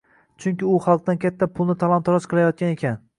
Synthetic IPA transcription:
t͡ʃʰʊŋkʲɪʊχɑlˠq̚d̪ankʲʰat̪ʰːapʰʊlˠnɪt̪ʰalˠɒnt̪ʰɒɾɒʃqɨlˠajɒt̪̚kʲane̞kʲʰan

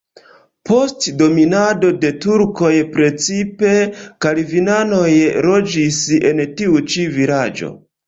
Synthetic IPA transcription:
po̞stdo̞minado̞de̞tuɾko̞jpɾe̞t͡sipe̞kalivinano̞jɾo̞d͡ʒise̞̰ntiut͡ʃiviɾad͡ʒo̞̰

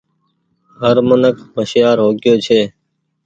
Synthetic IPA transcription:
ɦəɾmənəkməʃjaːɾɦoːɡɪjoːt͡ʃʰeː

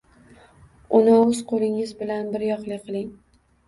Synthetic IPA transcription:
ʊnɪɵzqʰolˠɪŋɪzbɪlanbɪɾjɒqlˠɪqʰɨlˠɪŋ

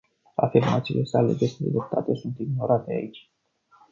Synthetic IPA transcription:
a̰firmat̪sile̞sale̞d͡ʒest̪ed̪ḛd̪opt̪ʰat̪e̞sunt̪iɡno̞ɾat̪e̞a̰it͡ʃʲ

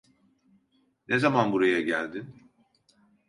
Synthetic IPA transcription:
nʔezamanbuɾajaɟælʲd̪in

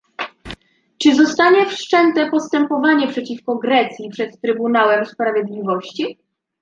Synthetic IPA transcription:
t͡ʂɘzɔst̪aɲɛfʂt͡ʂɛnt̪ɛpɔst̪ɛmpɔvaɲɛpʂɛt͡ɕifkɔɡɾɛt̪sʲjipʂɛt̪t̪ɾɘbunawɛmspɾavʲjed̪lʲivɔɕt͡ɕi

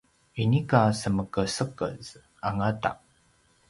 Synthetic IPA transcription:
inikasəməkəsəkə̰z̥ | aŋata̰ʔ

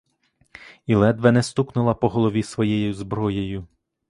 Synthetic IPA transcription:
ilˠɛd̪ʋɛnɛst̪uknʊlˠɐpɔɦɔlˠɔʋʲisʋɔjɛjʊzbɾɔjejʊ

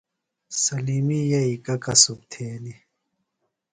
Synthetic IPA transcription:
sɐlimijɐikɐkɐsub̚t̪ʰeːni

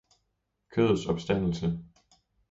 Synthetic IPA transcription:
kʰøðˠsɒ̽b̥sd̥æn̰l̩sə

